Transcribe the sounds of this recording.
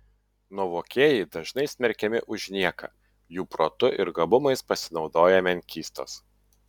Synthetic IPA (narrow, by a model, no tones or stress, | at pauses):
nuɔʋoːkʲeːjɛɪd̪ɐʒnɐɪsʲmʲɛɾʲkʲɛmʲɪʔʊʒʲnʲiɛkɐ̰ː | juːpɾoːt̪ʊʔɪɾɡɐbʊmɐɪspɐsʲɪnɒʊd̪oːjɛmʲɛŋʲkʲiːst̪o̰ːs